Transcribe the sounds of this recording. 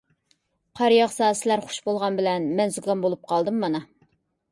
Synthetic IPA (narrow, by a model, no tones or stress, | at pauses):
qʰɑɾjɑʁsɑːsɪlæɾχʊ̥ʃbolˠʁɑnbɪlɛnmɛnzuɡɡɑnbolˠup̚qʰɑlˠd̪ɨmːɑnɑ